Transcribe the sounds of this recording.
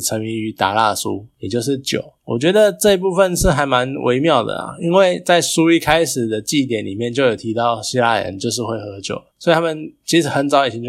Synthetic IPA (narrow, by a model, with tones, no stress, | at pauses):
ʈ͡ʂʰə˧˥ŋi˧˥ŋy˧˥t̪a̰˨˦la̰˥˧sṵ˦jɛ˨˩t͡ɕjo˥˧ʊʂɻ̩˥˩t͡ɕjo̰˨˩˦ʊwɔ̰˨˩t͡ɕɥɛ˧˥d̪ə˨ʈ͡ʂɤ˥˧i˧pu˥˧fə˧˨nʂɻ̩˥˩xa˧˥ɪma˧˦nwḛ˧˥ɪmjɑ˥˩ʊd̪ə̰˩a̰˨˩i˦nwe˥˩ɪt͡sa˥˩ɪsu˥i˥˩kʰa˥ɪʂɻ̩˨˩d̪ə˩t͡ɕi˥˩t̪̬jɛ˨˩nli˨˩mjɛ˥˧nt͡ɕjo˥˩ʊjo˨˩ʊt̪ʰi˧˥t̪ɑ˥˨ʊɕi˥la̰˥˨˩ə̰˦nt͡ɕjo˥˧ʊʂ̬ɻ̩˥˧xwe˥˩ɪxɤ˧˥t͡ɕjo̰˨˩˦ʊssɔ˧˥i˨˩a˥mə˨nt͡ɕʰi˧˥ʂ̩˨˩xə˧˦nt͡sɑ˧˦ʊi˨˩t͡ɕʰi˧˦t͡ɕ